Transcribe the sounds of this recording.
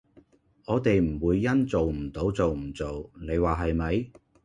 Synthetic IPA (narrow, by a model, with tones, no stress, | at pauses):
ɔː˨˧t̪e˨jm̩˨˩wuː˨˧jːɐ˥nt͡so˨wm̩˨˩t̪o˨˥wt͡so˨wm̩˨˩t͡so˨wne˨˧jwaː˨ɦɐ˨jmɐ˨˧j